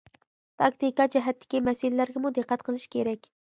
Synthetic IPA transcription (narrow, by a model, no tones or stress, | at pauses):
t̪ʰɑkt̪ikɑd͡ʒɛɦɛt̪ʰːɪ̥kʲimɛsɪlɪlæɾɡʲɛmud̪ɨqʰːæt̪̚qʰəlˠɨʃkʲʰeɾɛkʲ